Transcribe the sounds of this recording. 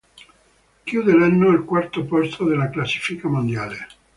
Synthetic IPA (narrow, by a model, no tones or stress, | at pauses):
kjuːd̪elanːoilkwart̪opɔst̪od̪elːaklasːi̥fikamond̪jaːle